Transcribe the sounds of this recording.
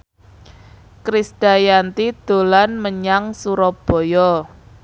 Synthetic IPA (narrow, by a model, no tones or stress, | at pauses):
kɾisɖ̥a̤jant̪id̪̥o̤lanməɲaŋsuɾɔb̥ɔ̤jɔ